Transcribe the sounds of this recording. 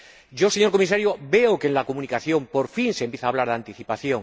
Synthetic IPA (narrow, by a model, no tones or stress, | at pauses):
ɟ͡ʝo̞se̞ɲo̞ɾkomis̬aɾjobe̞okenlakomũnikaθjõ̞mpo̞ɾfinsempjeθaːβlaɾðant̪iθipaθjo̞ŋ